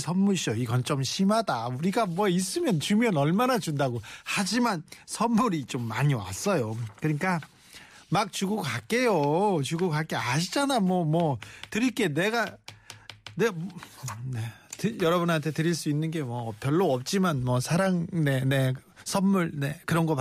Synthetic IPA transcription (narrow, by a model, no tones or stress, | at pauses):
sʰʌnːuɭɕʰʌiɡʌnt͡ɕ͈ʌmɕʰimadauɾiɡamwʌis͈ɯmjʌnt͡ɕumjʌnʌɭmanat͡ɕundaɡohad͡ʑimansʰʌnːuɾit͡ɕomːaɲiwa̰s͈ʌjokɯɲik͈a | mak̚t͡ɕuɡokak͈e̞jot͡ɕuɡokak͈eaɕʰid͡ʑanamwʌmwʌtɯɾik͈e̞ne̞ɡa | nemne̞tɯjʌɾʌbɯnɦantʰe̞tɯɾiɭs͈uinːɯnɡe̞mwʌpjʌɭːoʌp̚t͡ɕ͈imanmwʌsʰaɾaŋne̞ne̞ | sʰʌnmuɭne̞kɯɾʌnɡʌp